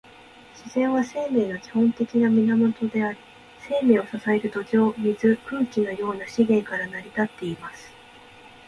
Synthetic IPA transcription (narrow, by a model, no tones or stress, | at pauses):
ɕizẽ̞ɰ̃βase̞ːme̞ːno̞kʲi̥hõ̞nt̪e̞kʲinamʲinamo̞t̪o̞d̪e̞aɾi | se̞ːme̞ːo̞sasae̞ɾɯ̟d̪o̞ʑo̞ːmʲizɨkɯ̟ːkʲino̞jo̞ːnaɕiɡẽ̞ŋkaɾanaɾʲit̪at̪ːe̞imasɨ̥